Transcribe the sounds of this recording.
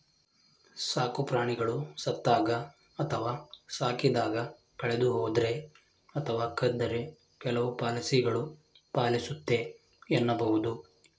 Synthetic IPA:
saːkupɾaːɳiɡɐɭusɐt̪ːaːɡɐ | ɐt̪ʰɐʋaːsaːkid̪aːɡɐ | kɐɭed̪uɦoːd̪ɾe̞ | ɐt̪ʰɐʋaːkʰɐd̪ːɐɾe | kɛlɐʋupaːlɐsiɡɐɭu | paːlisut̪ːe̞ | ɛnːɐbɐɦud̪u

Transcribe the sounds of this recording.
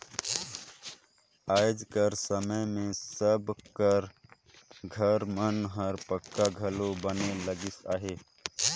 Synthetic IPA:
aːd͡ʒkəɾsəməjmẽsəbkəɾ | ɡʱəɾmənɦəɾpəkːaɡʱəlobəneləɡɪsa̰ːɦeː

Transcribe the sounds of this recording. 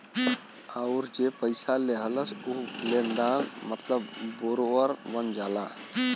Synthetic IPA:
əʊɾd͡ʒepəɪsaleɦələsulẽnd̪anmət̪ləbːoɾoəɾbənd͡ʒaːla̰

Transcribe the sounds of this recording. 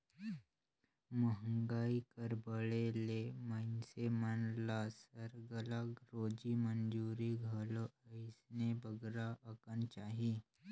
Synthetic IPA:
məɦəŋɡaːikəɾbəɭelemənsemənlaːsəɾɡəlakɾoːd͡ʒimənd͡ʒuːɾiɡʱəloəɪsnebəɡɾaʔəkənt͡ʃaːɦiː

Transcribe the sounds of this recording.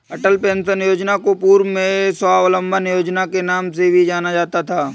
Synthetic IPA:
ɐʈəlpẽːnsənjoːd͡ʒnakopuːɾmẽswaːʋlə̃mbʱənjoːd͡ʒnakenaːmsebʱid͡ʒaːnad͡ʒaːt̪at̪ʰaː

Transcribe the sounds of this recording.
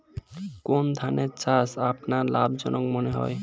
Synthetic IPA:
kond̪ʱaneɾt͡ɕasapnaɾlabd͡ʑɔ̰nok̚moneɦɔ̰e

